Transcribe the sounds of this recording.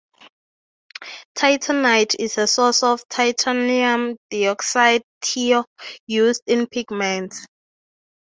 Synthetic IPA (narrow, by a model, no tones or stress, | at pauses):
tʰajtʰənajtʰizəsɔsɔvtʰajtʰaniãmdiɔksajdtʰijuzdĩnpʰiɡmɛ̃nt